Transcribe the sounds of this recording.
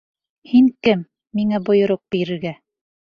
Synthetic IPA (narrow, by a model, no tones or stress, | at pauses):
hiŋkɘmː | iŋæbŏjŏɾoq̚biɾɘ̆ɾɡæ